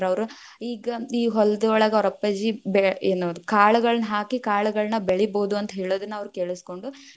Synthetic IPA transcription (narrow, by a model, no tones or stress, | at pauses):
ɾɐʋɐɾu | iːɡɐiːɦɔld̪ɐɔɭɐɡɐɔɾɐpːɐd͡ʒibeeːnoːd̪ukaːɭuɡɐɭɐnɐɦaːkikaːɭuɡɐɭɐnɐbeɭiboːd̪uɐnt̪ɐɦeːɭoːd̪ɐnːɐɐʋɐɾukeːɭisko̞ɳɖu